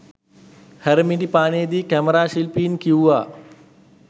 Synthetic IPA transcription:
hæɾəmiɖipaːnejd̪iːkæməɾaːʃilpiːnkiuʋaː

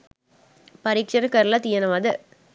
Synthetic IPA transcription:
pɐɾikʂɐɾɯkːɐɾlat̪ijɐnɐʋaːd̪ɯ

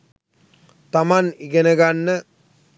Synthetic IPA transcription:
t̪amaniɡenəɡanːə

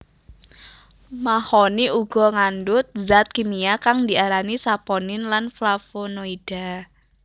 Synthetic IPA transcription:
mahoniuɡ̥ɔ̤ŋandʊt̪̚zat̪̚kimiakaŋd̪i̤ʔaɾanisapɔnɪnlanflafonoid̥a

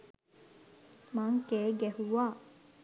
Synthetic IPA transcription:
maŋkeːɡɛhuʋaː

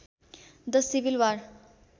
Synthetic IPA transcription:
d̪ʌsibilwaɾ

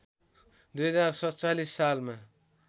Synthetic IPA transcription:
d̪ujɦʌd͡zarsʌt͡salisːalma

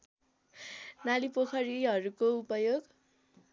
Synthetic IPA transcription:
nalipokʰʌɾiɦʌɾukoupʌjoɡ

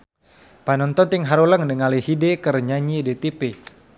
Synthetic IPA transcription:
panɔnt̪ɔnt̪iŋɦaɾuləŋdəŋalihidekərɲaɲidet̪ipe

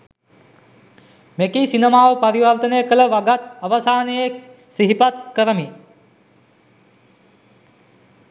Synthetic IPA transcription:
mekisinəmaːʋəpaɾiʋɐrt̪ənəjəkələʋaɡat̪̚aʋasaːneje | siɦipat̪kəɾəmi

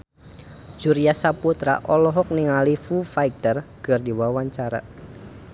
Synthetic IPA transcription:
d͡ʒ̥uɾijasaput̪ɾa̰ʔɔlɔɦɔk̚niŋalifufaik̚t̪ərkərdiwawaɲt͡ʃaɾa̰

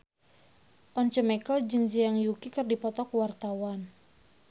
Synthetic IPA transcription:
ɔnt͡ʃəmɛkəld͡ʒɨŋd͡ʒijaŋjukikɨrdipɔt̪ɔkwart̪awan

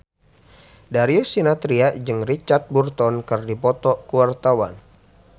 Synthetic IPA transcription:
daɾiusinat̪ɾiad͡ʒɨŋrit͡ʃart̪̚burt̪ɔnkərdipɔt̪ɔkuwart̪awa̰n

